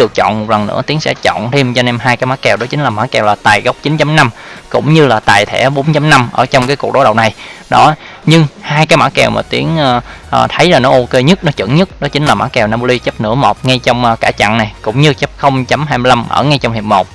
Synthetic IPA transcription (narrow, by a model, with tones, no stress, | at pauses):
ɗɨ˨˩ək̚t͡ɕɔ̰˧˨nmo˨˩t̚lə˨˩nːɨ̰˧˥ət̪i˨˦əŋsɛ̰˧˥t͡ɕɔ̰˧˨nt̪ʰe˧mt͡ɕɔ˧ne˧nɦaː˧jkaː˨˦jmaː˧˦˥kɛ˨˩wɗɔ˨˦t͡ɕï˨˦ŋ̟laː˨˩maː˧˦˥kɛ˨˩wlaː˨˩t̪aː˨˩jɣə˦˥wk͡p̚t͡ɕï˨˦nt͡ɕa˨˦mna˧mkʊ̰˧˥ŋ͡mɲɨ˧laː˨˩t̪aː˨˩jt̪ʰɛ̰˧˩˥ɓo˨˦nt͡ɕa˨˦mna˧mʔəː˧˩t͡ɕɔ˧wŋ͡mkaː˨˦jku˨˩ək̚ɗo˨˦ɗə˨˩wna˨˩jɗɔ˨˦ɲɨ˧ŋhaː˧jkaː˨˦jmaː˧˥kɛ˨˩wma̰ː˨˩t̪i˨˦ənː˧ʔt̪ʰə˨˦jlaː˨˩nɔ˨˦ʔo˧ke˧ɲə˦˥t̚nɔ˨˦t͡ɕɨ̰˧˩əŋɲə˦˥t̚ɗɔ˨˦t͡ɕï˨˦ŋ̟laː˨˩ma̰ː˧˨˥kɛ˨˩wnaː˧po˧li˧t͡ɕə˦˥p̚nɨ̰˧˥əmo˨˩t̚ŋa˧jt͡ɕɔ˧wŋ͡mʔːkaː˧˩t͡ɕa̰˧˨nna˨˩jkʊ̰˧˥ŋ͡mɲɨ˧t͡ɕə˦˥p̚xə˧wŋ͡mt͡ɕa˨˦mɦaː˧jmɨ˧la˧mʔə̰ː˧˩ŋa˧jt͡ɕɔ˧ŋ͡mhi˨˩p̚mo˨˩t̚